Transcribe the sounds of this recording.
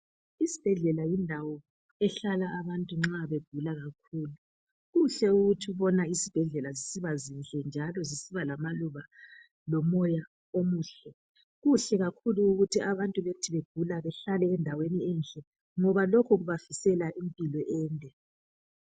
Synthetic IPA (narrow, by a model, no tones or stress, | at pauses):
isi̥b̥ʱɛɮɛlajindʱawɔ | ɛɬalaːβantʼuŋ͡ǁaβeɡ̥ʱulaɣakʰuːlu | ɣuɬɛuɣutʰiuβɔnaisib̥ʱɛɮɛlazisiβazint͡ɬʼɛnd͡ʒʱalɔzisiβalamaluβa | lɔmɔja | omuːɬɛ | ɣuɬɛɣakʰuluːɣutʰiʔaβantʼuβetʰiβeɡ̥ʱulaβɛɬalɛːndʱaweniɛnt͡ɬʼɛ | ŋɔβalɔkʰɔɣuβafisɛlaʔimpʼilɔʔɛːntʼɛ